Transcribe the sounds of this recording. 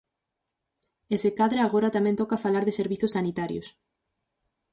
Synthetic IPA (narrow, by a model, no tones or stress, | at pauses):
esekaðɾaaɣoɾat̪amɛ̃nt̪ɔkafalaɾðɪseɾβiθʊsːanit̪aɾjo̰s